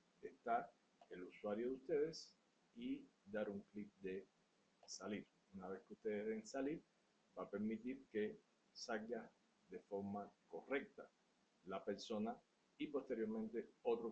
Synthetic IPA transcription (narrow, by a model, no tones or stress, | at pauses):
est̪a | eluswaɾjoðust̪e̞ðe̞s | id̪aɾuŋklik̚d̪e̞ | saliɾ | unaβe̞skeust̪e̞ðesensaliɾ | b̥ape̞ɾmit̪iɾke̞ | salɡa | ðe̞fo̞ɾmako̞re̞k̚t̪a | lape̞ɾso̞na | ipo̞st̪e̞ɾjo̞ɾmẽnt̪e̞ot̪ɾo